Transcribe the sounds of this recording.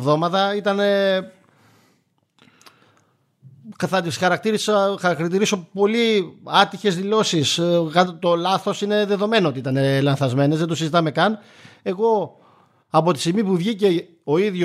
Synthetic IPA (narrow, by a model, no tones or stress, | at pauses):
vðo̞mɐt̪ɐit̪ɐne | kɐθɐt̪isxɐɾɐk̚t̪iɾisxɐɾɐkt̪ɾt̪iɾiso̞po̞liɐt̪içe̞zðilo̞siskɐt̪o̞lɐθo̞sine̞ðe̞ðo̞me̞noot̪iit̪ɐnelɐnθɐzme̞nezðed̪osizit̪ɐme̞kɐn | e̞ɣo̞ | ɐpo̞t̪i̥simipuvʝice̞ | oiðʝo